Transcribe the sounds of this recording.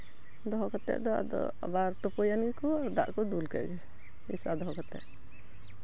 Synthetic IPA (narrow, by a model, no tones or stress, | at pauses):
d̪ɔɦɔkɔt̪ɛ̰ʔd̪̰d̪ɔ̰ | baɾt̪ɔpɔjanikɔaɾd̪a̰ʔkɔd̪ulkɛ̰d͡ʒɛ | ḭsad̪ɔɦɔkɔt̪ɛ̰ʔ